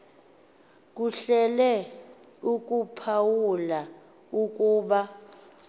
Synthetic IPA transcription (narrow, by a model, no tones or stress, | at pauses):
k̬ʼuɬɛlɛ | ukʼupʰawula | ukʼuːɓa